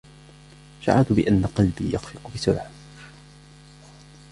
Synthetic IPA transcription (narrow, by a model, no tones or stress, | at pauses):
ʃa̰ʕat̪bɪʔanːaqɑlbḭːjaxfɪqʊbɪsʊlʕ